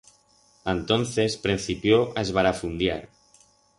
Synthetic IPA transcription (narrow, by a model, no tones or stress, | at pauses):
ant̪onθespɾin̟θipjoʔezβaɾafund̪jaɾ